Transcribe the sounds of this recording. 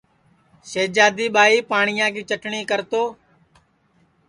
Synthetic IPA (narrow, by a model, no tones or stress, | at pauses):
ʃeːd͡ʒaːd̪iːɓaːiːpaːɳɪjãːkiːt͡ʃəʈɳiːkəɾt̪oː